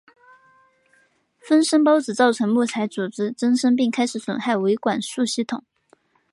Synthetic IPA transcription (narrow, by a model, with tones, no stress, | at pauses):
fə˥nʂə˥ŋp̬ɑ˥ʊt͡sɹ̩˨˩t͡sɑ˥˩ʊʈ͡ʂʰɤ˧˥ŋmu˥˩t͡sʰa˧˥ɪt͡su˨˩ʈ͡ʂɻ̩˥ʈ͡ʂə˥nʂɤ˥ŋpi˥˩ŋkʰa˥ɪʂɻ̩˧˥swə̰˨˩nxa˥˩ɪwe˧˥ɪkwa˨˩nʂu˥˧ɕi˥˩t̪ʰʊ̰˨˩˦ŋ